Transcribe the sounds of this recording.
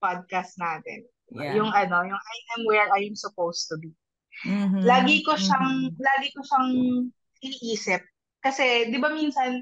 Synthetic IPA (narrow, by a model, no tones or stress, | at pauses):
pad̪̚kast̪̚naːt̪ɛ̰n | jʊŋʔɐno̞jʊŋʔajnʔɛmwɛɹʔajamsʊpowst̪ubi | laːɡɪkoʃaŋlaːɡɪkoʃaŋ | ʔɪniːʔiːsɪp̚ | kɐsɛd̪ɪbaminsɐn